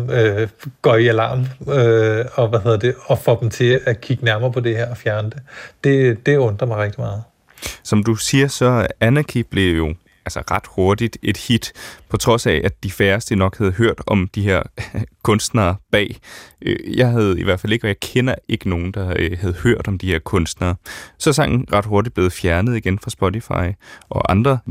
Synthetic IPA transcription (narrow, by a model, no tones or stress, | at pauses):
øɡ̥ɒiælɑ̰̈ːmøɒ̽ʋæheðɐ̰ɐd̥eɒfɒd̥mt͡sʰe̝ækʰiɡ̥ənæɐ̰mɐːpʰɒ̽d̥e̝heɐ̰ɒfjæɐnəd̥ed̥e̝d̥e̝ɔ̽nd̥ʁɐmɑ̈ɪʁɛɡ̥d̥imɑ̈ːð̞̩ˠ | sɒ̽md̥usiːɐsɒ̽ænækʰib̥le̝jo̝ | ælsɐʁɑ̈d̥ho̝ɐd̥id̥e̝d̥hid̥pʰɒ̽t͡sʰʁɒ̽sɛæd̥ifæɐsd̥ənɒ̽ɡ̥hæð̞̩ˠɦøɐ̰d̥ɒ̽md̥ihe̝ɐ̰kʰɔ̽nsd̥nɐːb̥ɛ̰ːøjɑ̈ɪɦæð̩ˠiʋæɐdfæle̝ɡ̥əɒ̽jɑ̈ɪkʰenɐe̝ɡ̥əno̝ːn̩d̥ɑ̈hæð̞ˠhøɐ̰d̥ɒ̽md̥ihe̝ɐ̰kʰɔ̽nsd̥nɐːsɒ̽sɑ̈ŋ̰n̩ʁɑ̈d̥ho̝ɐdid̥̚b̥le̝ːð̩ˠfjæɐnəð̩ˠiɡ̥enfʁɑ̈sb̥ɔt͡sʰifɑ̰̈ɪʔɒ̽ʔɑ̈nd̥ʁɐ